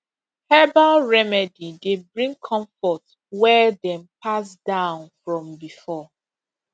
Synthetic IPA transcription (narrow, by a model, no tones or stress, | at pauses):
hɛbaɹɛmɛdidebɹĩŋkʰɔ̃ɱfɔt | wɛdɛ̃mpʰas̬dãʊ̃nfɹɔ̃mbifɔ